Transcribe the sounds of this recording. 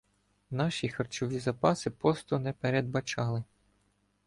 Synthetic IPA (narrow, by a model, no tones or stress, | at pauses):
nɑʃixɐrt͡ʃɔʋʲizɐpɑsɪpɔst̪ɔnɛpeɾed̪̚bɐt͡ʃɑlˠɪ